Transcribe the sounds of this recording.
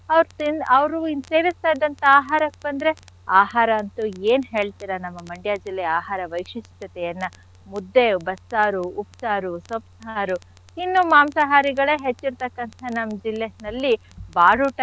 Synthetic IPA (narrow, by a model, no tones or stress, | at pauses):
ɐʋɾt̪inɐʋɾuind̪seːʋist̪aːjd̪ɐnt̪ɐaːɦaːɾɐk̚bɐnd̪ɾe̞aːɦaːɾɐːnt̪ueːnɦeːɭt̪iɾɐnɐmːɐmɐɳɖjaːd͡ʒilːɛjaːɦaːɾɐʋɐjkʂist̪ɐt̪ɛjɐnːɐ | mud̪ːe̞bɐsːaːɾuːpsaːɾusɐpsɐɦaːɾu | inːumaːmsɐɦaːɾiɡɐɭeːɦet͡ʃːiɾt̪ɐkːɐnt̪ʰɐnɐmːd͡ʒilːenɐlːi | baːɽuʈ